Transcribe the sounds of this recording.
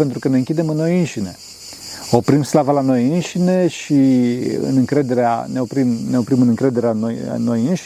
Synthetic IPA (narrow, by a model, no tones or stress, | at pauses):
ent̪ɾukəne̞ɨŋkʲid̪e̞mɨnːo̞jɨnʃine̞ | o̞pɾimslavalano̞jɨnʃine̞ʃiɨ̰nɨŋkɾe̞d̪e̞ɾea̰ne̞o̞pɾimne̞o̞pɾimɨnɨŋkɾe̞d̪e̞ɾeanoj̰nːojɨnʃ